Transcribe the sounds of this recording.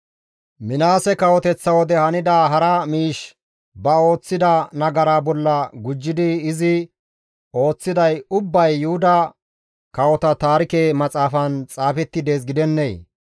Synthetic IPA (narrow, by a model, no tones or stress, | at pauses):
mɪnaːsɛkɐwɔt̪ɛt͡sːɐwɔd̪ɛhɐnɪd̪aːɦɐɾɐmiːʃ | bɐo̞ːt͡sːɪd̪ɐnɐɡɐɾaːbɔlːɐɡʊd͡ʒːɪd̪ɪːzɪ | o̞ːt͡sːɪd̪ɐjʊbːɐjːʊhʊd̪ɐ | kɐwɔt̪ɐt̪aːɾɪkeːmɐt͡sʼaːfɐnt͡sʼaːfɛt̪ːɪd̪e̞ːs̬ɡɪd̪ɛnːej̰